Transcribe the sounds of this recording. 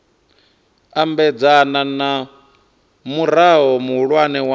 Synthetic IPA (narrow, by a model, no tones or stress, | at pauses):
ambɛd͡zanana | muɾaɦɔmuɦuɺwanɛwa